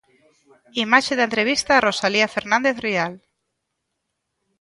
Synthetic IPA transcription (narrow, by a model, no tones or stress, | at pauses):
imaʃeðent̪ɾeβ̞ist̪aːrʔosaliafeɾnãnd̪eθrial